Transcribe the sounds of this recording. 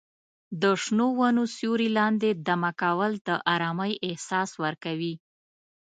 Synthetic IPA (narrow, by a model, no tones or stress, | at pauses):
d̪əʂnowanosjoɾilɑnd̪ed̪amakawəld̪əʔɑɾɑməjʔɪhsɑswəɾkawi